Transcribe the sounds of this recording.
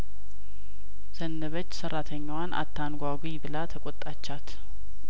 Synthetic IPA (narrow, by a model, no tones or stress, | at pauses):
sənːəβət͡ʃːsərat̪ʰəɲːwanʔa̰t̪ʰːanɡʷaɡʷibɨlat̪ʰəkʼot̪ʼːat͡ʃːat̪